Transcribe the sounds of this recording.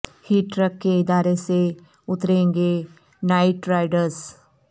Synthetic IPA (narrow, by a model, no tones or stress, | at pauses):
hiːʈɾəkːeɪd̪aːɾese | ʊt̪ɾẽːŋɡe | naːɪʈɾaːɪɖəɾs